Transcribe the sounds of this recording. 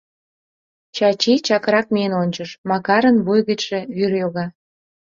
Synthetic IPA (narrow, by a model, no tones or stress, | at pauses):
t͡ɕɑt͡ɕit͡ɕɑkɾɑk̚mienonʲt͡ɕəʃmɑkɑɾə̆nβujɣət͡ɕʃĕβyrjoɣɑ